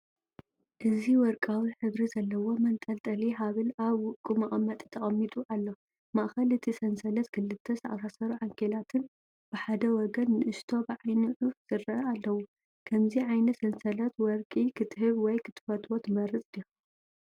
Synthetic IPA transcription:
ʔɨziwɔɾkʼawiħɨβɾizɐlːɐwo̞mɐnt̪ʼɐlt̪ʼɐliɦaβɨlaβwʊkʼumɐʔʼɐmɐt̪ʼit̪ʰɐχʼɐmːit̪ʼuʔalːo̞ | maʔxɐlɨt̪ʰisɐnsɐlɐt̪kʰɨlːɨt̪ʰːɐsɐʔʼa̰sasɐɾuʕaŋkʰelat̪ʰɨn | b̥ɨħad̪ɐwɔɡɐnːɨʔɨʃt̪ʰo̞bɨʕajnɨʔufz̥ɨɾɐalːɐwu | kʰɐmziʕajnɐsɐnsɐlɐt̪wɔɾkʼikʰɨt̪ʰɨhɨβwɔjkʰɨt̪ʰɨ̥fɐt̪ʼwot̪mɐɾɨt͡sʼd̪i

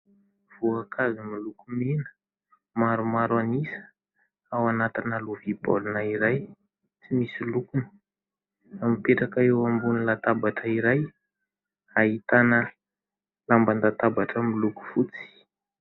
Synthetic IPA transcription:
v̥uakʰazimilukuminə̥ | maɾumaɾanisə̥ | awanat̪inaluvib̥o̰lunaiɾaj | t͡simisilukunə̥ | amipeʈ͡ʂakaewambunilat̪abaʈ͡ʂəiɾaj | aɦit̪anə | lamband̪at̪abaʈ͡ʂəmiluku̥fut͡si̥

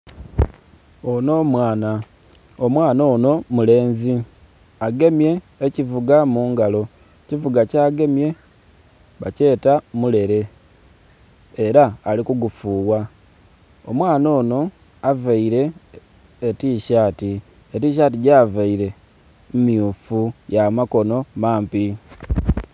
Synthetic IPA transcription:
o̞no̞mwaːna | omwaːnoːno̞mule̞ːnzi | aɡe̞mje̞ː | civuɡamuːŋɡalo̞ | civuɡacaːɡe̞mje̞ | βace̞ːtamule̞ɾe̞ | eɾaːlikuɡufuːwa | omwaːno̞ːno̞ | avaiɾe̞ː | tiːʃaːti | etiʃ̬at̬iɟavaiɾe̞ | mumjufujamako̞no̞maːmpi

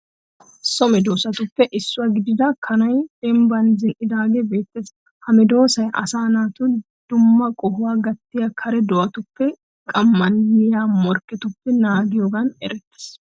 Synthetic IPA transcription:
sɔmɛd̪oːsɐt̪ʊpːɛʔɪsːʊɐɡɪd̪ɪd̪ɐkʰɐnɐjd̪ɛmbɐnzɪnʔɪd̪aːɡebe̞ːt̪ːeːs | hɐmɛd̪o̞ːsɐjʔɐ̰saːnaːt̪ʊ | d̪̥ʊmːɐkʼɔhʊwaːɡɐt̪ːɪjɐkʰɐɾɛd̪ɔʔɐt̪ʊpːɛ | kʼɐmːɐnjɛjaːmɔɾkɛt̪ʊpːɛnaːɡɪjoːɡɐnɛ̰ɾɛt̪ːɪ̥s

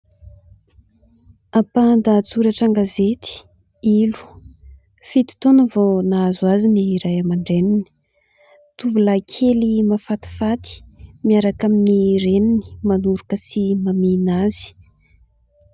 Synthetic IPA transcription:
apand̪at͡suɾaʈ͡ʂaŋɡazet̪i̥ | ilu̥ | fit̪i̥t̪onəvonazuaziniːɾajamaɳɖ͡ʐenini̥ | t̪uvulakʰelimafat̪i̥fat̪i̥miaɾakaminiɾenini̥manuɾukəsimaminazi̥

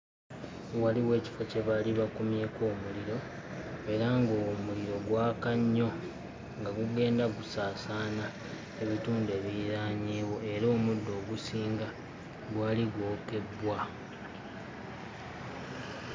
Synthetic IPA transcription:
waliwe̞ːci̥face̞βaliβakumje̞ːko̞ːmuliɾo̞ | e̞ɾaŋɡomuliɾo̞ɡwaːkaɲːo̞ | ŋɡaɡuɡe̞ːndaɡusaːsaːna | e̞βituːndue̞βiɾaːɲiːwo̞e̞ɾo̞ːmudːo̞ːɡusiːŋɡa | ɡwaːliɡwo̞ːke̞bːwa

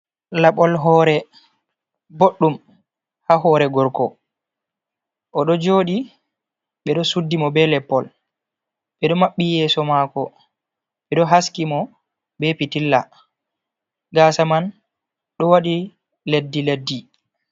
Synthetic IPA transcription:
laɓɔlɦɔːɾɛ | boɗːum | haɦɔːɾɛɡɔɾkɔ | ʔɔɗɔd͡ʒoːɗi | ɓɛɗɔsudːimɔbɛlɛpːɔl | ɓɛɗɔmaɓːijɛːsɔmakɔ | ɓɛɗɔɦaskimɔ | bɛpitilːa | ɡaːsaman | ɗɔwaɗi | ledːiledːi

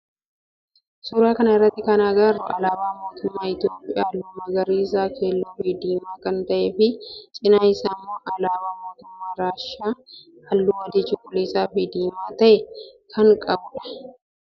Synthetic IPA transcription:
suːɾaːkɐnɐɪrːɐt̪ːɪkɐnaːɡɐrːʊʔɐlaːbaːmo̞ːt̪ʊmːaːɪt̪jo̞ːpʼɪjaːlːʊmːaːɡɐɾiːs̬aːkʰeːlːoːfid̪iːmaːkɐnt̪ɐʔeːfɪt͡ʃʼɪnɐjsamːoːʔɐlaːbaːmo̞ːt̪ʊmːaːɾaːʃaː | hɐlːuːwɐd̪ɪt͡ʃɪkʼʊleːsaːfɪd̪iːmaːt̪ɐʔɛkʰɐŋkʼɐbʊᶑɐ̥

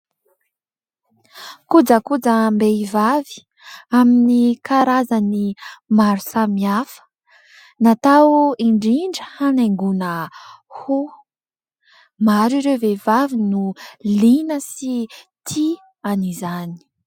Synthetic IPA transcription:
kud͡zəkud͡zəmbeivavi̥ | aminikaɾazanimaɾusamiafə̥ | nat̪awiɳɖ͡ʐiɳɖ͡ʐəhaneŋɡunəhu | maɾiɾewvevavinulinəsit̪ʰi | anizani̥

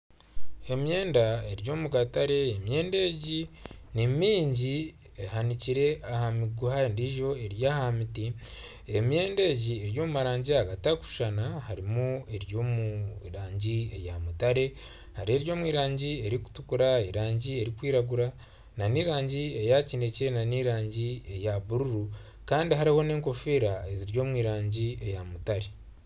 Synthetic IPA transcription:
e̞mje̞ːndae̞ɾjo̞ːmuɡataɾe̞ːmje̞ːnde̞ɟinimiːɲɟi | ehaniciɾe̞ʔahamiɡuhandiʒo̞e̞ɾjaːhamiti | emje̞ːnde̞ːɟie̞ɾjo̞ːmumaɾaːɲɟiaɡataku̥ʃanahaɾimue̞ɾjo̞ːmuɾaːɲɟie̞jamutaɾe̞ | haɾe̞ːɾjo̞ːmwiːɾaːɲɟie̞ɾiku̥tukuɾaeɾaːɲɟie̞ɾikwiːɾaɡuɾa | naniɾaːɲɟie̞jacine̞cenaniɾaːɲɟie̞jaβuɾuɾu | kaːndiɦaɾiho̞neːŋko̞fiːɾae̞ziɾɟo̞ːmwiːɾaːɲɟie̞jamutaɾe

